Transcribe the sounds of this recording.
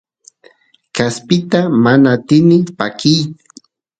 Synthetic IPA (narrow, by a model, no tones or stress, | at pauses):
kaspɪt̪amanat̪ɪnɪpakɪjkʊ̥